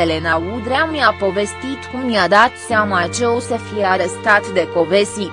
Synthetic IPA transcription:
ele̞naud̪ɾeamiapo̞ve̞st̪it̪kumjad̪at̪seamat͡ʃeusəfijeaɾest̪at̪d̪e̞ko̞ve̞st̪i

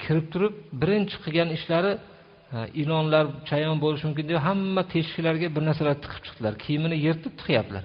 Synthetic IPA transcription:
kʲʰɪɾɪp̚t̪ʰʊɾɪp̚bɪɾɪnt͡ʃʰɨ̥qʰɨɡʲanɪʃlaɾɪ | ɪlˠɒnlaɾt͡ʃʰajɒnbolˠɪʃmʊmkʲɪnd̪eɦamːat̪ʰe̞ʃkʲɪlaɾɡʲabɪɾnaɾsalaɾt̪ʰɨ̥qʰɨ̥p̚t͡ʃʰɨ̥qd̪̥ɪlaɾkʲʰijɪmɪnɪje̞ɾt̪ʰɪp̚t̪ʰʊ̥χjap̚d̪ɪla̰ɾ

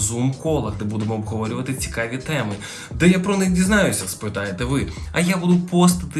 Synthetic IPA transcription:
zumkɔlˠɐɣd̪ɛbud̪ɛmɔːbɦɔʋɔɾʲʊʋɐt̪ɨt͡sʲi̥kaʋʲit̪ɛmɨ | d̪ɛjapɾɔnɪxdʲiznajʊsʲɐspɾɨt̪ajet̪ɛʋɪɐjabud̪ʊpɔst̪ɐt̪ɨ

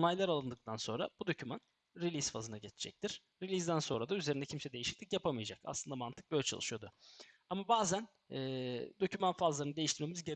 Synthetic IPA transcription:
nˠajlˠaɾalˠɯnd̪ɯk̚t̪ʰanso̞nɾa̰b̥ud̪o̞cʰyman | ɾilʲizfa̰zɯnaɟet͡ʃʰi̥d͡ʒɛ̰c̚t̪ʰiɾ̥ | ɾilʲizd̪ænso̞nɾad̪ayzeɾind̪ɛcʰimsɛd̪e̞jiʃi̥clʲicjapʰamɯjad͡ʒaka̰slˠɯnd̪amant̪ʰɯ̥k̚bølʲɛt͡ʃʰa̰lˠɯʃɯjo̞d̪ʊamabaːzæn | ɛːd̪o̞cʰymanfazlˠaɾɯnɯd̪e̞jiʃt̪iɾmemizɟe

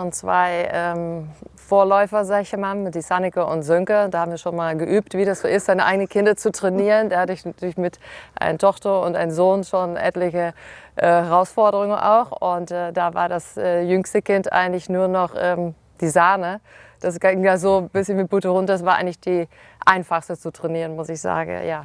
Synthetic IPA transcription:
oːnt͡sv̥a̰ɪʔɛːmfoːɐlɔʏfɐzaːɡɪçemaːlmɪtd̥iːsanɪkɐʊntz̥ʏŋkɐnd̥aːhabm̩viːɐʃoːnmaːlɡəʔyːptv̥iːdasz̥oːʔɪstz̥aɪnəʔaɪɡənənkʰɪndɐt͡sutʁ̥ɛniːʁəndeːɐhatɪç̥ɪçmɪtʔa̰ɪnətʰɔχtɐʊntʔa̰ɪnənzoːnʃoːnʔɛ̰tlɪçəʔɛːhɛʁaʊsfɔɐdəʁʊŋənʔa̰ʊxʊntʔɛːdavaːɐdasʔɛːjʏŋstəkɪntʔa̰ɪɡəŋ̩tlɪçnuːɐnɔχʔɛːm | d̥iːzaːnəd̥asɡ̥aŋjaːzoːbɪsçənmɪt̚b̥uːtəʁʊntdasv̥aːɐʔaɪŋtlɪçd̥iː | ʔaɪnfaχstət͡sutʁ̥ɛniːʁənmʊsɪçz̥a̰ːɡŋ̰̩ja̰ː

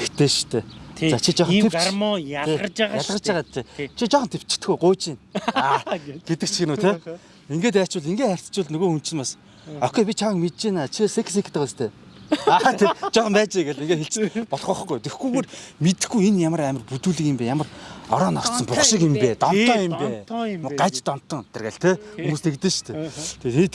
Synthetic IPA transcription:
ext̪ʰeːʃt̪ʰeːt͡sat͡ɕʰit͡ɕɔχʰepmʰet͡ɕjaɮʁə̆t͡ɕaʁaːt̪t̪ʰet͡ɕʰit͡ɕɔχɞ̆nt̪ʰept͡ɕɪ̥̆t̪ɘ̆xujɢʊːt͡ɕinaːɡ̥et̪ɘ̆k̚t͡ɕʰixɘ̆nuːt̪ʰe | iŋɡeːt̪̬æ̥ːt͡ɕʊ̆ɮiŋɡeːt̪χær̥ʲt͡s̪t͡ɕʊ̆ɮnɵɣoːxun̥t͡ɕɘ̆npas | œkʲeːp̬ʲit͡ɕʰaə̆kmet̪t͡ɕeːnat͡ɕʰiseksekʰt̪ʰə̆st̪ʰeː | at̪ʰet͡ɕɔχnæːt͡ɕiːɡeɮiŋɡeːt̪xeɬt͡ɕɘ̆pɔɮʁɔ̆χɡujt̪exɡujpermet̪̆xɡujenjamə̆ræːmə̆rput̪uːɮĭkĭmpæːjamə̆rɔ̰ɾɔːnɔr̥t̪sɞ̆mpʊχʃɪ̆kɪmpeːt̪ɔn̥t̪ʰːœːjɪmpeːmʊɢat͡ɕt̪ɔn̥t̪ːɞ̆ŋt̪erɣæ̰ɮt̪ʰexumuːst̪ʰekt̪ɘ̆ʃt̪ʰet̪ʰet̪ʰit̪

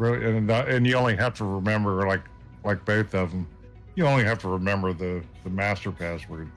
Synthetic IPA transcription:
ɹɪlˠiɨ̃nʌɨ̃njɨõʊ̃nliɦæftəɹɪmɛ̃mbə˞laɪk | laɪk̚b̥oʊθʌvə̃m | jɨõʊ̃nliɦæftəɹɨmɛ̃mbə˞ðɨðɨmæstə˞pʰæswə˞

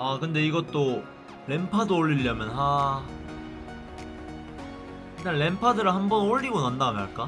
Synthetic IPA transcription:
akɯnde̞iɡʌt͈o | ɭe̞mpʰadooʎːiʎːʌmjʌnɦa | itanɭe̞mpʰadɯɾɯɭhambʌnoʎːiɡonandamaɭk͈a

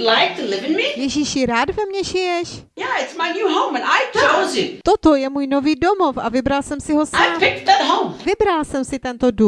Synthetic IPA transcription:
dlaɪk̚tʰɨlɪvɨ̃nmijɛʒiʃjɪɾaːdvɛmɲɛʒɪjɛʃ | jæɪtsmaɪnjuɦõʊ̃mə̃naɪtʰozjɨt̪ot̪ojɛmuːjno̞viːdo̞mo̞fʔavɪbɾalsɛmsɪɦo̞saɪaːpʰɪk̚ðət̚ɦõʊ̃mvɪbɾalsɛmsɪt̪ɛnt̪odu

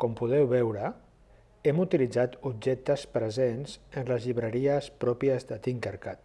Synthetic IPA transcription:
kɔmpuð̞ɛwβɛwɾə | ɛmut̪ilid͡zat̪ubʒɛk̚t̪əspɾəzenzənləzʎiβɾəɾiəspɾɔpiəzðət̪iŋkəɾkat̪

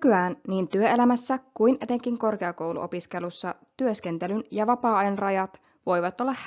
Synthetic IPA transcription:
kyæːnniːnt̪yøelæmæsːækuine̞t̪e̞ŋk̟iŋko̞rke̞ɑko̞wlṵʔo̞̰piske̞lusːɑt̪yøsk̟e̞nt̪e̞lynjɑʋɑpɑːɑenrɑjɑt̪ | ʋo̞jʋɑt̪o̞lːɑ

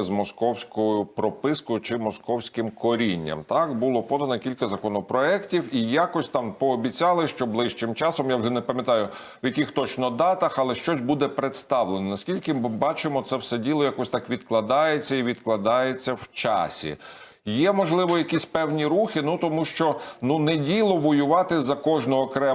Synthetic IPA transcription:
zmɔskɔwsʲkɔjʊpɾɔpɪskɔjʊt͡ʃɪmɔskɔwsʲkɪmkɔɾʲinʲːɐ̰mt̪ɑkbʊlˠɔpɔd̪ɐnɔkʲilʲkɐzɐkɔnɔpɾɔɛktʲiwijakɔsʲt̪ɑmpɔːbʲit͡sʲɑlˠɪʃt͡ʃɔblˠɪʃt͡ʃɪmt͡ʃɑsɔmjawʒɛnɛpɐmʲet̪ɑjʊ | wjɐkʲixt̪ɔt͡ʃnɔd̪ɑt̪ɐxɐlˠɛʃt͡ʃɔsʲbud̪ɛpɾet̪st̪ɑwlˠenɔnɐskʲilʲkɪbɑt͡ʃɪmɔt̪sɛwsɛdʲilˠɔjakɔsʲt̪ɑkʋʲid̪klˠɐd̪ɑjet͡sʲːɐiʋʲid̪klˠɐd̪ɑjet͡sʲːɐwt͡ʃɑ̰sʲḭ | jɛmɔʒlˠɪʋɔjɐkʲisʲpɛwnʲiɾuxɪnut̪ɔmuʃt͡ʃɔnunɛdʲilˠɔʋɔjʊʋɑt̪ɪzɐkɔʒnɔːkɾɛ

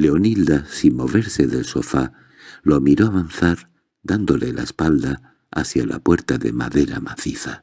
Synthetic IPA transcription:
le̞onild̪asinmo̞β̞e̞ɾse̞ðe̞lso̞fa | lomiɾo̞aβanθaɾ | d̪and̪o̞lela̰espald̪a̰ː | θjala̰pwe̞ɾt̪aðe̞̰maðe̞ɾa̰maθiθa

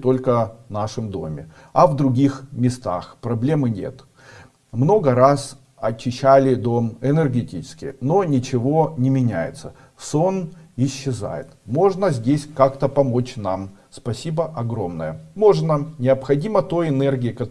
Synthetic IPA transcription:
t̪o̞lʲkənaʂɨmd̪o̞mʲɪ | ɐvd̪ɾʊɡʲixmʲɪst̪a̰xpɾɐblʲe̞mɨnʲe̞̰t̪ | mno̞ɡəɾas | ɐt͡ɕːɪɕːælʲɪd̪o̞mɪnɨrɡʲɪtʲit͡ɕɪ̥skʲɪ̰no̞nʲɪt͡ɕɪvo̞nʲɪmʲɪnʲæjɪ̰t̪sə | so̞nɪɕːɪza̰jɪ̰t̪mo̞ʐnəzʲdʲesʲkakt̪əpɐmo̞t͡ɕnamspɐsʲibəʔɐɡɾo̞mnəjəmo̞ʐnənʲɪɐpxɐdʲimət̪o̞jɪnɛrɡʲɪɪkɐ

